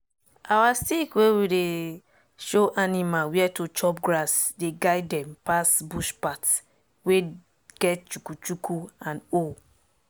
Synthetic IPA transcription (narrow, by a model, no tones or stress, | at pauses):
awastikwewide | ʃoʔanimawiɛtut͡ʃɔp̚ɡɹasdeɡaɪddɛ̃mpasbuʃpat | we | ɡ̥ɛt̚t͡ʃukut͡ʃukʰuãno